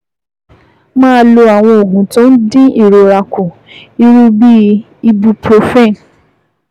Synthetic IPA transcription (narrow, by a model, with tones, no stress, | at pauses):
mãː˦lo˧a˨w̃ɔ̃˧o˨ɡũ˨tõ˦n̩˦dĩ˦i˦˨ɾo˨ɾa˨ku˨ | i˧ɾũ˧bi˦ | i˧bu˧pɾo˧fɛ̃˦˨